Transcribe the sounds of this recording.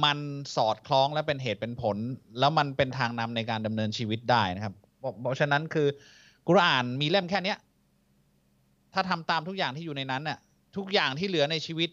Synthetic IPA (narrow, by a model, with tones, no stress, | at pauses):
ma˧nsɔː˨˩t̪̚kʰlɔː˦˥ŋlɛ˦˥wpe˧nɦeː˨˩t̪̚pe˧npʰo˩˦nlɛː˦˥wma˧npe˧nt̪ʰaː˧ŋna˧mna˧jkaː˧nda˧mnɤː˧nt͡ɕʰiː˧wi˦˥t̪̚daː˥˩jna˦˥kʰa˦˥p̚ | pɔ˦˥pʰɔ˦˥t͡ɕʰa˦˥nːa˦˥nkʰɯː˧ | ku˧ɾa˧ʔaː˨˩nmiː˧le˥˩mkʰɛː˥˩ni˦˥ɐʔ | t̪ʰaː˥˩t̪ʰa˧mt̪aː˧mt̪ʰu˦˥k̚jaː˨˩ŋʰiː˥˩juː˨˩na˧jna˦˥nːi˥˩ɐ | t̪ʰu˦˥k̚jaː˨˩ŋt̪ʰiː˥˩lɯ˩˦ɐna˧jt͡ɕʰiː˧wi˦˥t̪̚